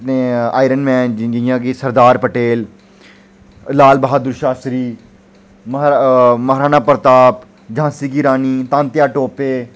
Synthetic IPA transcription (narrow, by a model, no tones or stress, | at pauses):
nẽːa̰ːɪɾənmɛ̃ːnd͡ʒd͡ʒjãːkiːsəɾd̪aːɾpəʈeːl | laːlbəɦaːd̪ʊɾʃaːsɾiː | mɦməɦɾaːnaːpəɾət̪aːp | d͡ʒãːsikiːɾaːniːt̪ãːnt̪jaːʈoːpeː